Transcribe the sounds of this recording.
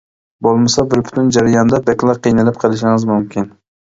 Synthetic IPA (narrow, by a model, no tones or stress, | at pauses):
bolˠmasabɪɾpʰɪ̥t̪ʰɪnd͡ʒaɾajɒnd̪abekʲlˠaqʰɨjnɪlɪp̚qʰɨlˠɪʃɪŋɪzmʊmkʲʰɪn